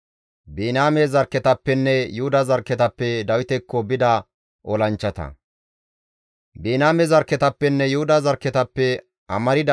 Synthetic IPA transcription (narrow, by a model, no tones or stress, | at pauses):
biːnaːmezɐɾkːɛt̪ɐpːɛnːɛjʊhʊd̪ɐzɐɾkːɛt̪ɐpːɛd̪ɐwɪt̪ɛkːobɪd̪ɐ | ʔɔlɐnt͡ʃːɐt̪ɐ̰ | biːnaːmɛzɐɾkːɛt̪ɐpːɛnːɛjʊhʊd̪ɐzɐɾkːɛt̪ɐpːɛ | ɐmɐɾɪd̪ɐ